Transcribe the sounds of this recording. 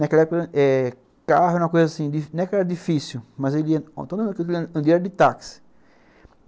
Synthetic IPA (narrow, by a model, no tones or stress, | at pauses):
nɐkɛlɐɛpokɐʔɛ | kahʊũmɐkojzɐasĩd̪iñɛkɛɾɐd̪ifisumɐzeliɐõ̰t̪õd̪ɐ̃kewk̬elĩɐ̃nd̪ɾɛɾd̪ɪt̪aksɪ̥